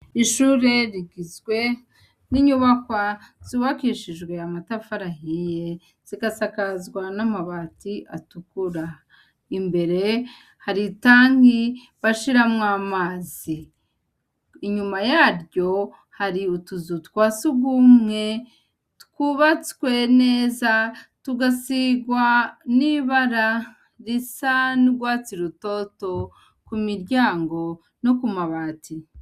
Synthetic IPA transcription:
iʃuɾe̞ɾiɡizɡwe̞ | niɲuβakwaz̥uβakiːʃiʒɡwe̞amatafaɾahije | z̥iɡasakazɡwanamaβatiʔatukuɾa | imbe̞ɾe̞ | haɾitaːŋɡi | βaʃiɾamŋaːmaːzi | ɲumajaːɾɟo̞ | haɾiutuzutkwaːsuɡumŋe̞ | tkuβat͡skwe̞ne̞ːzatuɡasiɡwaniβaɾa | ɾisanuɡwaːt͡siɾuto̞to̞ | kumiɾɟaːŋɡo̞ | nokumaβaːti

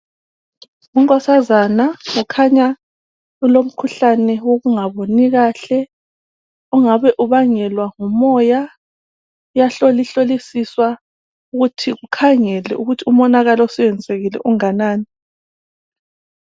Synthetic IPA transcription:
uŋkʼɔsazanaŋukʰaɲa | ulom̩kʰuɬanɛwoɣuŋaβoniɣaːɬɛ | uŋaβɛʔuβaŋɛlwaŋumɔja | jaɬoliɬolisiswa | uɣutʰiɣukʰaŋɛlɛ̰ʔuɣutʰiumɔnaɣalɔsɛwɛnd͡zʱeɣilɛ̰ʔuŋanaːni

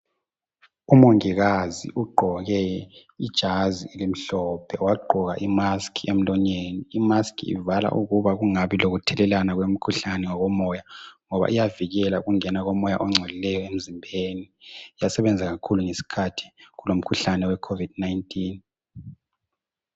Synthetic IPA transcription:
umoŋiɣazḭʔuɡ͡ǃʱɔɣɛid̥ʒ̥ʱaziilim̩ɬɔpʰɛwaɡ͡ǃʱɔɣa̰ʔimaskʰiem̩lɔɲeːniːmaskʰḭḭvala̰ʔuɣuβaɣuŋaβiloɣutʰɛlɛlanaɣwem̩kʰuɬanɛŋɔɣɔmɔjaŋɔβa̰ʔijaviɣɛlauɣuŋɛnaɣɔmɔja̰ʔɔŋ͡ǀʱɛlilɛjɔem̩zimbʱenijasɛβɛnd͡zʱaɣakʰuluŋesi̥kʰatʰi̥ɣulom̩kʰuɬanɛwɛkʰovid̚naintʰʼin

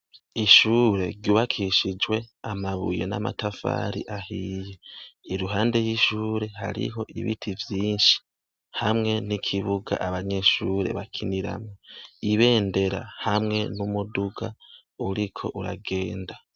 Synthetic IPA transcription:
iʃuːɾe̞ɾɟuβakʰiʃid͡ʒwe̞amaβṵjḛna̰ma̰tafa̰ːɾḭʔahijeiɾuɦaːnde̞jiːʃuːɾe̞ha̰ɾḭɦo̞ʔiβitʰivjiːnʃi̥ | hamŋe̞nikʰiβuɡa̰ʔaβaɲe̞ʃuːɾe̞̰βakʰiniɾa̰mŋoiβe̞ːnde̞ɾa̰hamŋe̞numuduɡa | uɾikʰo̞̰ʔuɾa̰ɡe̞ːnda

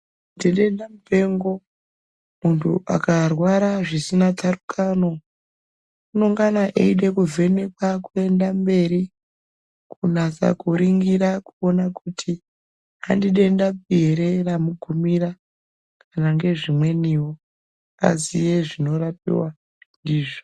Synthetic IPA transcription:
ndiɗendamupe̞ŋɡo̞ | muntʰṵʔa̰karwaɾaʐisinatʰarukʰano̞ | unoŋɡanaʔḛiɗe̞kuvʱe̞ne̞kwakue̞ndambe̞ɾi | kunasa̰kuɾiŋɡiɾakuo̞nakutʰi | andiɗe̞ndap̚ieɾeramuɡʱumiɾa | kʰanaŋɡe̞ʐimwe̞niwo | a̰zije̞ʐino̞rapḭwa | ndiːʐo

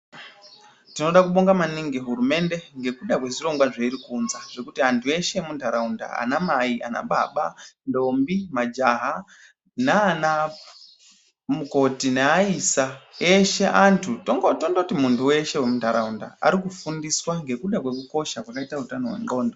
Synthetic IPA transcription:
tino̞ɗakuɓoŋɡamaniŋɡeɦuɾume̞nde̞ŋɡe̞kuɗakwe̞ʐiro̞ŋɡwaʐeiɾikunzaʐ̥e̞kutiantʰue̞ʃe̞mundʱaɾaunda̰a̰namaiʔa̰na̰ɓa̰ɓando̞mbimad͡ʒaɦa | naːna | muko̞tineaisaeʃe̞ʔantʰutoŋɡotondotimuntʰuwe̞ʃe̞wemundaɾaunda̰a̰ɾikufundiswaŋɡe̞kuɗakwe̞kuko̞ʃakwakaitautanoɦwḛŋɡo̞ːndo

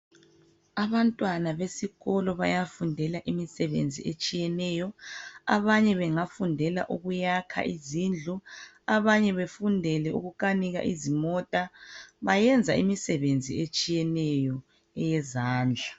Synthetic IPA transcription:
aβantʼwanaβesiɣɔlɔβajafundʱɛlaʔimisɛβend͡zʱḭet͡ʃʼijɛnɛjɔa̰βaɲɛβɛŋafundʱɛla̰ʔuɣujakʰa̰ʔizind͡ɮʱu | aβaɲɛβefundʱɛlɛṵɣukaniɣa̰ʔizimɔtʼaβajɛnd͡zʱaḭmisɛβend͡zʱḭet͡ʃʼijɛnɛjɔ | ɛjɛzaːnd͡ɮʱa

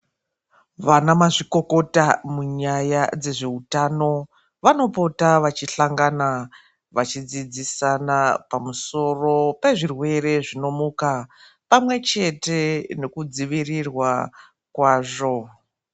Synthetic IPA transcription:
ʋanamaʐiko̞ko̞tamuɲajad͡ze̞ʐe̞utano̞ | ʋano̞po̞taʋat͡ʃiɬaŋɡana | ʋat͡ʃid͡zid͡zisanapamuso̞ro̞pe̞ʐirwe̞re̞ʐino̞muka | pamwe̞t͡ʃe̞te̞ne̞kud͡ziʋirirwa | kwaːʐo̞

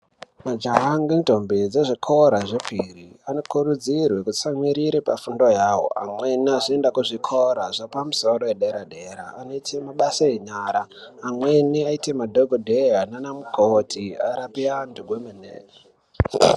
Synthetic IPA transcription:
mad͡ʒaɦaŋɡento̞mbed͡ze̞ʐikʰo̞ɾaʐepʰiriano̞kurud͡zirwe̞kut͡samwiɾiɾipa̰fundo̞jawo̰ʔa̰mwe̞niaʐiendakuʐikʰo̞ɾaʐapamuso̞ɾo̞jeɗeɾaɗeɾa̰ːno̞itʰe̞maɓasaeɲaːɾaːmwe̞niaite̞madʱoɡʱodʱeananamukʰotʰia̰ɾapianduɡʱwemenḛːre

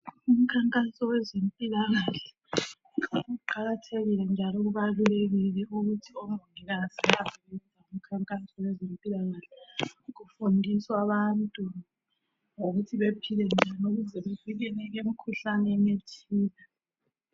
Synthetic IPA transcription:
um̩kʰaŋkʼasɔwɛzempʼilaɣaɬɛ̥ | auǃaɣatʰeɣilɛnd͡ʒʱalɔɣ̬uβaluleɣilɛuɣutʰiɔm̩oŋiɣaziaβɛβɛnd͡zʱaum̩kʰaŋkʼasɔwɛzempʼilaɣaɬɛɣufundʱiswaβantʼu | ŋoɣutʰiβepʰilɛnd͡ʒʱanoɣuzɛβeviɣɛnɛɣem̩kʰuɬanɛŋetʰiːla

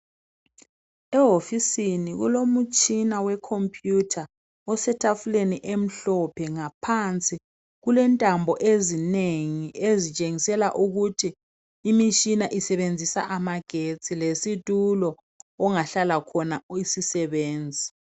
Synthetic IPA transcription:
ɛɦofisiniɣṵlomut͡ʃʼinawɛkʰompʰʼjutʰa | ɔsɛtʰafuleniʔem̩ɬɔpʰɛŋapʰant͡sʼi | ɣulɛntʼambʱɔʔezineŋiʔezit͡ʃʼeŋisɛla̰ʔuɣutʰiː | mit͡ʃʼinaʔisɛβend͡zʱisaʔamaɡ̥ʱet͡sʼilesitʼulɔː | ŋaɬalakʰɔnaisisɛβeːnd͡zʱi

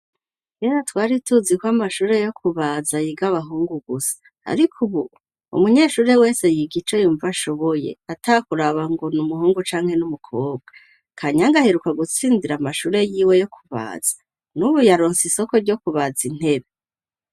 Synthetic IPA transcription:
ɡeɾatwaːɾituzikwamaʃuːɾe̞jo̞kuβazajiɡaβaɦuːŋɡuɡusḁ | a̰ɾikʰuβu | ṵmuɲe̞ːʃuːɾe̞we̞ːse̞jiɡit͡ʃo̞juːɱvaʃo̞βoje̞̰atakuɾaβaŋɡo̞numuɦuːŋɡut͡ʃaːŋhe̞numukʰoːb̚ɡa | kʰaɲaŋɡaheɾukaɡut͡siːndiɾamaʃuːɾe̞jiːwe̞jo̞kʰuβa̰ːz̥ḁ | nuβujaɾoːnsiso̞ko̞ɾɟo̞kuβad͡zin̥he̞βe

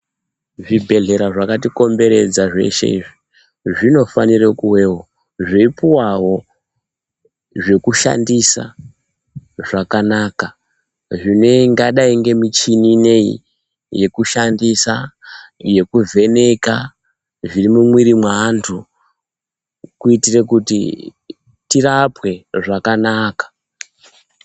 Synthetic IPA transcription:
ʐibʱe̞ɮe̞ɾaʐakat̬iko̞mbe̞ɾe̞d͡zaʐe̞̰ʃe̞̰iʐi | ʐino̞fanirekuwe̞ɦo | ʐeipuwaɦo̞ | ʐe̞kuʃa̰ndisa̰ | ʐakanaːka | ʐineŋɡaɗaiŋɡe̞mit͡ʃinine̞ḭ | je̞kuʃandisa | je̞kuvʱe̞ne̞ka | ʐirimumwiɾimwaantʰu | kuitire̞kutḭ | tirapwe̞ʐakanaːkḁ

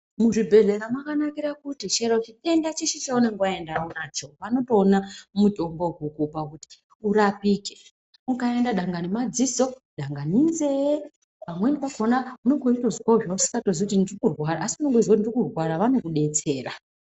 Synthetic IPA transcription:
muʐibʱe̞ɮeɾamakanakiɾakutit͡ʃeɾot͡ʃite̞ndat͡ʃeʃit͡ʃauneŋɡaendaunaːt͡ʃo̞ʋano̞to̞ːnamutʼo̞mbo̞ɡʱukupakuti̥ | uɾapiːke | ukae̞ndaɗaŋɡanimad͡ziso̞ | ɗaŋɡanind͡ze | ʋamweniʋakonauno̞ŋɡo̞itozikaʐousi̥kato̞zikutindirikurwaɾaːsiuno̞ŋɡoid͡zakutindirikurwaɾaʋano̞kuɗe̞t͡se̞ːra

